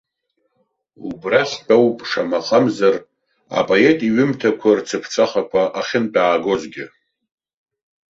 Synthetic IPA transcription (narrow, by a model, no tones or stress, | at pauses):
ṵbraχʲt͡pʼawpʼʂamaχʰʼamzar | a̰pʼoe̞tʼiɥɪmtʰakʷʰart͡sʰɨpʰt͡sʷʰʼaχakʷʰaʔaχʲɪndʼaːɡo̞zɡʲɪ